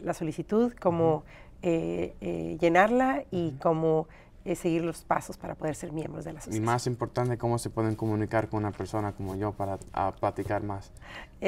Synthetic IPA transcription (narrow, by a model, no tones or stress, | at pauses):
laso̞lisit̪uðko̞mo | eḛʝe̞naɾlaiko̞mo | ese̞ɣiɾlo̞spa̰so̞spaɾapo̞ð̞e̞ɾse̞ɾmjẽ̞mbɾozðelasoimasimpo̞ɾt̪ant̪eko̞mo̞se̞pwe̞ðeŋkomũnikaɾkonunapeɾso̞nako̞moʝo̞paɾaa̰plat̪ikaɾmas